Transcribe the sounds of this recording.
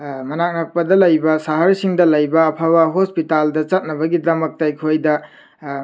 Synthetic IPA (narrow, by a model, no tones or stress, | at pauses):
mɐnak̚nɐk̚pɐdɐlɐjbɐsaɦɐɾsiŋdɐlɐjbɐːpʰabɐɦospitaldɐt͡ʃɐt̚nɐbɐɡidɐmɐk̚tɐjkʰojdɐ